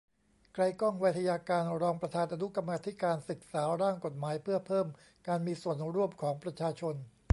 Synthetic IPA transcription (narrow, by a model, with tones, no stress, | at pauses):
kɾa˧jkɔ˥˩ŋwaː˧˦˥t̪ʰa˧jaː˧kaː˧nɾɔː˧ŋpɾa˧t̪ʰaː˧nʔa˧nu˦˥ka˧mːaː˧t̪ʰi˦˥kaː˧nsɯ˨˩k̚saː˩˦ɾaː˥˩ŋko˨˩t̪̚maː˩˦jpʰɯ˥˩əpʰɤː˥˩m | kaː˧nmiː˧su˨˩ənɾu˥˩əmkʰɔː˩˦ŋpɾa˧t͡ɕʰaː˧t͡ɕʰo˧n